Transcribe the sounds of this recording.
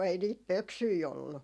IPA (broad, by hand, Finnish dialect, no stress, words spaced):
ei niːt pøksyi olːu